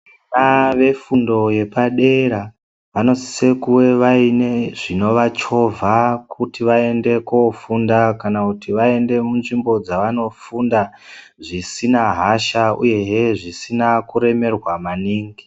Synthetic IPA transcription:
naʋe̞fundo̞je̞paɗe̞ɾa | ʋano̞si̥sekuwe̞ʋaineʐ̥ino̞ʋat͡ʃo̞vʱakutiʋae̞nde̞kofundakanakutiʋae̞nde̞munʐimbo̞d͡zaʋano̞funda | ʐisinaɦaʃaṵje̞ɦeʐisinakuɾe̞me̞rwamaniːŋɡi

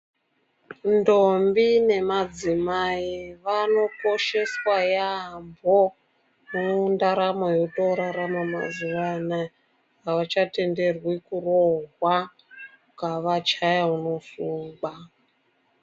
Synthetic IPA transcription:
ndombine̞mad͡zimaiʋano̞ko̞ʃe̞swajambo̞ | mundaɾamojotoɾaɾamama̰zuwana | aʋat͡ʃate̞nde̞rwikuroɦwa | kaʋat͡ʃajauno̞fuːmba

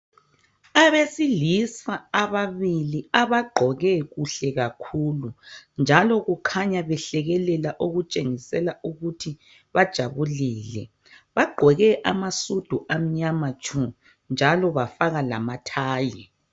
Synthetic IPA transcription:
aβesilisaːβaβiliaβaɡ͡ǃʱɔɣɛɣuɬɛɣakʰuːlund͡ʒʱalɔɣukʰaɲaβɛɬɛɣɛlɛlaʔoɣut͡ʃʼeŋisɛlaʔuɣutʰi | βad̥ʒ̥ʱaβuliːlɛ̰ | βaɡ͡ǃʱɔɣɛʔamasud̥ʱuʔam̩ɲamatʰu | nd͡ʒʱalɔβafaɣala̰matʰaːjɛ

